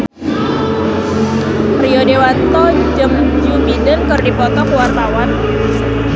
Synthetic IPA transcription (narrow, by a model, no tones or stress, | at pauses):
riɔdewant̪ɔd͡ʒəmd͡ʒubidənkərdipɔt̪ɔkuwart̪awan